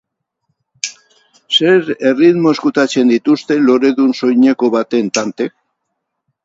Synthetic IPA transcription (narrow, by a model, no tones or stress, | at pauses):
se̞ɾe̞riðmo̞eskut̪at͡se̞nd̪it̪ust̪e̞lo̞ɾe̞ðunso̞jɲe̞ko̞βat̪e̞nt̪ant̪e̞k̚